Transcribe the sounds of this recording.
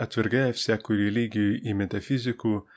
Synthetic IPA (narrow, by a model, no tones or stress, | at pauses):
ɐt̪ʲʋʲɪɾɡɐɐfʲsʲæːkuːɾʲɛlʲiɡʲɪjuːʔimʲɛt̪ɐfʲɪzʲɪkuː